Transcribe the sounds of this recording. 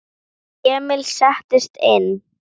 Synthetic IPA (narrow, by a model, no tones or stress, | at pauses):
ɛːmɪlsaht̪ɪst̪en